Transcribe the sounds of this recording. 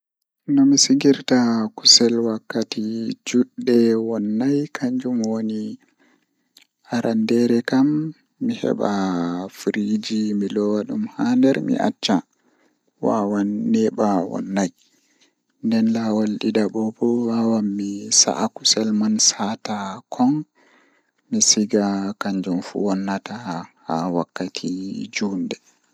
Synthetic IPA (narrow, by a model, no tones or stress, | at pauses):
nɔmisiɡiɾtaku̥sɛlwakːatid͡ʒuɗːɛwɔnːajkʰaɲd͡ʒumwoni | haɾʔandɛɾɛkamː | ihɛ̰ɓafuɾid͡ʒimilɔwaɗumhandɛɾmḭʔa̰t͡ʃːa | wa̰wanːɛɓawɔ̰nːaj | ndɛnlawalɗidaɓɔbɔwawamːisa̰ʔaku̥sɛlmansatakʰɔn | misiɡakaɲd͡ʒumfṵwɔnːatahawakːatʰid͡ʒuːndɛ